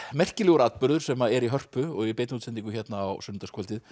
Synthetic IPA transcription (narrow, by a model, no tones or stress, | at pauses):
mɛr̥cɪlɛɣʏɾaːt̪̚pʏɾðʏɾ̥sɛmaɛɾiɦœr̥pʏɔɣipejt̪nut̪sɛnt̪iŋkʏçjɛt̪naːwsʏnt̪askʰalt̪ɪð